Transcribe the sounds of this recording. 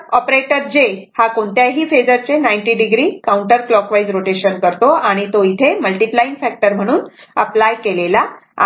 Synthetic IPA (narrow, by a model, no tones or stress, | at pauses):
ɔpɾeʈəɾd͡ʑehakoɳt̪jaɦiːfed͡zəɾt͡senajɳʈiɖiɡɾiːkauɳʈəɾklɔkʋajd͡zɾoʈeɕənkəɾt̪oaɽ̃it̪oit̪ʰeməlʈiplainfɛk̚ʈəɾm̤əɽ̃uːnəplajkelela